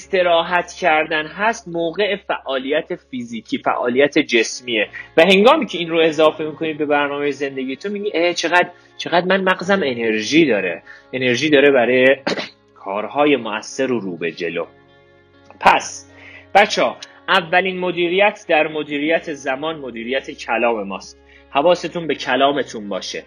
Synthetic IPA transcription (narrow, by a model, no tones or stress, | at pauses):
st̪e̞ɾɒːɦæt̪ʰcʰæɾd̪ænɦæst̪moːɣe̞efæʔɒːlijæt̪ʰe̞fiziːcʰiːfæ̰ʔɒ̰ːlijæt̪ʰe̞d͡ʒe̞smiːevæhe̞ŋɡɒːmiːcʰeinɾoe̞zɒːfe̞mikʰo̞nid̪̚be̞bæɾnɒːmejeze̞nd̪e̞ɡiːjet̪ʰonmiɟiːʔeːt͡ʃʰe̞ɣæd̪ | t͡ʃʰe̞ɣæd̪mænmæɣzæme̞ne̞ɾʒiːd̪ɒːɾḛene̞ɾʒiːd̪ɒːɾebæɾɒːje | kʰɒːɾhɒːje̞moæsːeɾoɾuːbe̞d͡ʒe̞loː | pʰæs | b̥æt͡ʃʰːɒː | ʔævːæliːnmo̞d̪iːɾijæt̪ʰd̪æɾmo̞d̪iːɾijæt̪ʰe̞zæmɒːnmo̞d̪iːɾijæt̪ʰecʰælɒːme̞mɒːst̪̚ | hævɒːse̞t̪ʰunbe̞cʰælɒːme̞t̪ʰunbɒːʃḛ